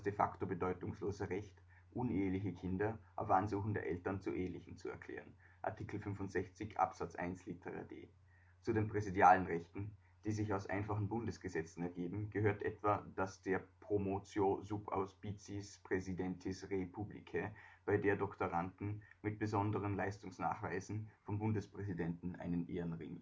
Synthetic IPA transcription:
asd̥efa̰ktobədɔʏtʊŋsloːzəʁɛçt | ʔʊneːɐlɪçəkʰɪndɐʔaʊfʔanzuːxŋ̩deːɐʔɛltɐnt͡suʔeːɐlɪçn̩t͡suɛ̰ɐkʰl̥ɛ̰ːʁən | ʔa̰ɐtʰiːkl̩fʏnfʊntz̥ɛçt͡sɪçʔa̰pz̥at͡sʔa̰ɪnslitʰəʁa̰dḛː | t͡sudeːnpʁ̥ɛzidjaːlənʁɛçtn̩ | d̥iːzɪçaʊsʔa̰ɪnfaχn̩bʊndəsɡ̥əzɛt͡sn̩ɛɐɡeːbm̩ɡ̥əhøːɐtʔɛ̰tv̥ɐd̥asd̥eːɐpʁ̥omot͡sjozupa̰ʊspit͡sispʁ̥ɛzidɛntʰɪsʁepʰublḭkʰəb̥aɪdeːɐdɔktoʁantn̩mɪt̚b̥əzɔndəʁənlaɪstʊŋsna̰ːχv̥a̰ɪzn̩fɔmbʊndəspʁ̥ɛzidɛntn̩ʔa̰ɪnənʔeːɐənʁɪ̰ŋ

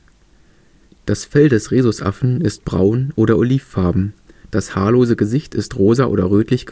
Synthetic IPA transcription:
d̥asfɛldɛsʁeːzʊsʔa̰fn̩ɪst̚b̥ʁa̰ʊnʔoːɾɐʔoliːfːaɐbm̩ | d̥ashaːɐloːzəɡəzɪçtʰɪstʁoːzɐʔo̰ːdɐʁøːtlɪçɡ̥

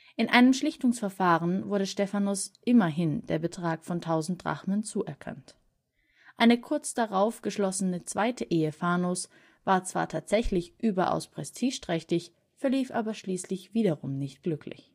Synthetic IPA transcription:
ʔɪnʔa̰ɪnəmʃlɪçtʊŋsfɛɐfaːʁənvʊɐɾəʃtɛfanʊsʔɪmɐɦɪnd̥eːɐbətʁ̥aːkfɔntʰaʊzn̩t̚d̥ʁa̰χmənt͡suːʔɛɐkʰa̰nt | ʔaɪnəkʰʊɐt͡sd̥aʁaʊfɡ̥əʃlɔsənət͡sv̥aɪtʰəʔeːəfaːnʊs | v̥aːɐt͡sv̥a̰ːɐtʰaːtz̥ɛçlɪçʔyːbɐʔa̰ʊspʁ̥ɛstʰiːʃtʁ̥ɛçtɪç | fɛɐliːfʔa̰ːbɐʃliːslɪçv̥iːdɐʁʊmnɪçtɡ̥lʏkʰlɪ̰ç

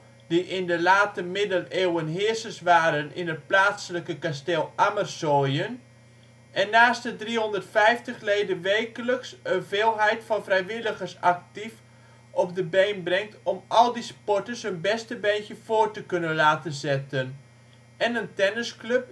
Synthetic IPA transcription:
d̥iʔɪndəlaːtəmɪdəneːwənɦɪərsəsʋaːɾənɪ̰nət̚plaːsələkəkasteːlˠʔamərsojən | ɛnːaːstədrihɔndərtfɛjftəxleːdəʋeːjkələksənveːlˠɦɛjtfɑnfrɛjʋɪləɣərsak̚tif | ɔp̚dəbejnbrɛŋk̚tʰɔmɑlˠdispɔtəshənbɛstəbɛnkjəfoːrtəkønənlaːtənzɛtən | ɛnəntɛnəskløp̚

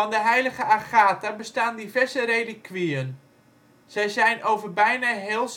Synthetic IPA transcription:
ɑndəɦɛjləɣəʔaχaːtabəstaːndivɛrzəɾejdəkʰʋiən | z̥ɛjzɛjnʔowvərbɛjnaɦeːlˠs

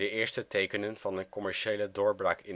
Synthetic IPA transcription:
əʔɪːɹstətejkənənv̥ɑndəkɔmɛɹʃejlədʊːɹbrɑːkɪn

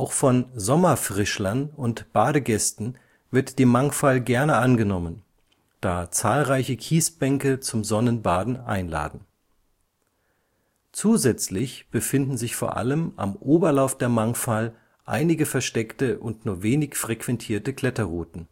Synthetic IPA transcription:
ʔaʊxfɔnzɔmɐfʁ̥ɪʃlɐnʊntb̥aːɾəɡɛstn̩ | vɪɐtd̥eːmːaŋfalɡɛɐnəanɡənɔmən | d̥aːt͡saːlʁaɪçəkʰiːsb̥ɛŋkət͡sʊmzɔnənbaːdn̩ʔa̰ɪnla̰ːdn̩ | t͡suːzɛt͡slɪçb̥əfɪndn̩zɪçfoːɐʔa̰ləmʔa̰mʔoːbɐlaʊfd̥eːɐmaŋfal | ʔa̰ɪnɪɡəfɛɐʃtɛktəʔʊntnuːɐveːnɪçfʁ̥ekv̥ɛntʰiːɐtəkl̥ɛtɐʁuːtn̩

